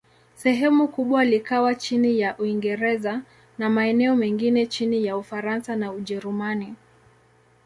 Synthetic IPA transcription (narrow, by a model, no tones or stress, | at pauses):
sɛɦɛmukuɓwalikawat͡ʃinijaʔuiŋɡɛɾɛza | namaɛnɛɔmɛŋɡinɛt͡ʃinijaufaɾansanauʄɛɾumani